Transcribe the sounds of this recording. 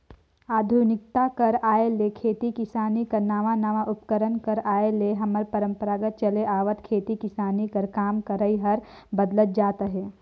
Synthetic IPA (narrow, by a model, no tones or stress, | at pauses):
aːd̪ʱunɪk̚t̪akɐɾaːelekʰeːt̪ikɪsaːnikɐɾnaːʋanaʋaʔʊpkəɾənkɐɾaːeleɦɐməɾpəɾə̃mpəɾaːɡət̪̚t͡ʃɐleʔaːʋət̪kʰeːt̪ikɪsaːnikɐɾkaːmkəɾəiɦɐɾ | bəd̪lət̪̚d͡ʒaːt̪ɦɛː